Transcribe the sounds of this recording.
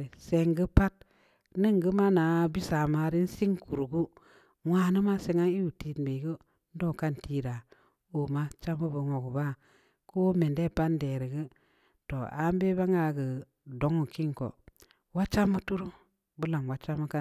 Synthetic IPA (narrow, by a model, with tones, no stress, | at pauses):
se˨ŋɡɨ˦pa˦t̚ | nɨ˦ŋɡə˦ma˦na˨bi˦sa˨ma˨ɾi˦n̩˦si˦ŋku˨ɾu˨ɡu˦ | ŋʷaː˨˦nɨ˦ma˦se˨ŋa˦i˦wu˨ti˨tbe˨ɡə˦ | n̩˦do˦˨ka˦nti˦ɾa˨ | o˨ma˦t͡ʃa˦mu˦bu˨ŋʷo˨ɡu˨ba˦ | ko˦me˨nde˦˨pa˦n˦de˨ɾi˨ɡə˦ | to˨a̰˨˦m˦be˦ba˦ŋa˨ɡə˨ | do˨˦ŋu˨ki˦ŋko̰˨ | wa˦t͡ʃa˦mːu˦tu˦ɾu˦ | bu˦la˨ŋwa˦t͡ʃa˦mːə˦ka˦